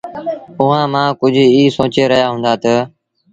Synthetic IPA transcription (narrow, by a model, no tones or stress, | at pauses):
ʊɦãːmãːkʊd͡ʒʱiːsõːt͡ʃeːɾəɦjaːɦʊ̃ːnd̪aːt̪ə